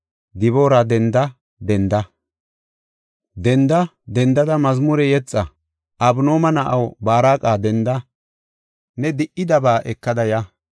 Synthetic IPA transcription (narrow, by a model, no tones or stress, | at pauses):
d̪ɪβo̞ːɾɐd̪ɛnd̪ɐ | d̪ɛnd̪ɐ | d̪ɛnd̪ɐ | d̪ɛnd̪ɐd̪ɐmɐzmʊɾɛjɛt͡sʼːɐ | ʔɐbno̞ːmɐnɐʔɐwbaːɾaːkʼaːd̪ɛnd̪ɐ | nɛd̪ɪʔːɪd̪ɐbaːʔɛkːɐd̪ɐja